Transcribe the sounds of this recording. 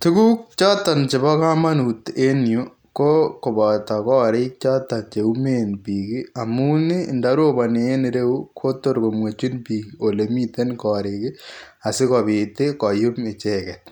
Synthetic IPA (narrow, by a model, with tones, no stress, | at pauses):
tu˦ku˦k̚t͡ʃɔ˦ta˨nt͡ʃe˨bɔ˦ka˦ma˦nu˨te˦njo˦ | ko˦ko˨bɔ˨ta˨kɔ˦ɾe˦t͡ʃɔ˦ta˨nt͡ʃe˨u˦me˦npi˨kɪ˦a˨mu˦ni˦˨nda˦ɾo˦ba˨ne˨e˦nɪɾe˦wu˦kʰo˦to˦ɾko˨mwe˨t͡ʃi˦npi˨kio˨le˨mi˦te˦nkɔ˨ɾɪkɪ˦ | a˨sɪ˦kɔ˨bɪ˨te˦kɔ˨jʊ˦me˨t͡ʃe˦kɛt